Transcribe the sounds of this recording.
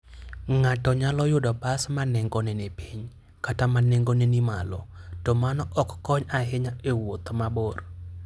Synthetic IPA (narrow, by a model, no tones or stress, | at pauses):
ŋatɔɲalɔjʊdɔbasmanɛŋɡɔnɛnepiɲ | katamaneŋɡonenima̰lɔtɔmanɔʔɔkːɔɲaɦɪɲaewot̪mabor